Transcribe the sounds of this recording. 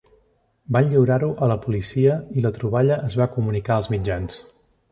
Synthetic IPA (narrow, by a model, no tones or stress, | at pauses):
banʎiwɾaɾuʔələpulisiəilət̪ɾuβ̞aʎəʔəzβakumunikaəlˠzmid͡ʒans